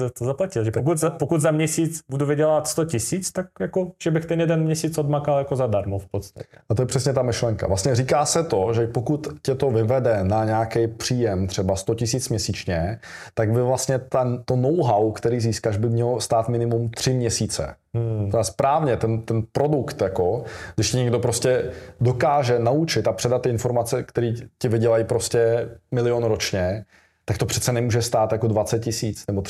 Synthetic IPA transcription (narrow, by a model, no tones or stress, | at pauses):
ɛt̪ozaplacɪlʒɛpkut̪zapokut̪zamɲɛsiːt͡sbuduvɪɟɛlat̪st̪ocɪsiːt͡st̪ak̚jakoʒ̥ɛbɪxt̪ɛnjɛdɛnmɲɛsiːt͡sodmakaljakozadaɾmofpot̪t͡st̪acɛʔat̪ojɛpr̝̥ɛsɲɛt̪amɪʃlɛŋka̰vlast̪ɲɛriːkaːsɛt̪o̞ʒɛpokut̪cɛt̪ovɪvɛdɛnaɲɛakɛjpr̝̥iːjɛmt̪r̝̥ɛbast̪o̞cɪsiːt͡smɲɛsiːt͡ʃɲɛt̪aɡbɪvlast̪ɲɛt̪at̪onowɦawkt̪ɛɾiːziːskaʃbɪmɲɛlost̪aːt̪mɪnɪmumt̪r̝̥ɪmɲɛsiːt͡sɛ̰ | aspɾaːvɲɛt̪ɛnt̪ɛnpɾo̞dukt̪jako̞ɡdɪʃcɪɲɛɡdo̞pɾoscɛdo̞kaːʒɛnaut͡ʃɪt̪apr̝̥ɛdat̪ːɪʔɪnfo̞ɾmat͡sɛkt̪ɛɾiːcɪvɪɟɛlajpɾoscɛmɪlɪjonɾo̞t͡ʃɲɛ | t̪akt̪opr̝̥ɛt̪t͡sɛnɛmuːʒɛst̪aːt̪jako̞dvat͡sɛt̪̚cɪsiːt͡snɛbo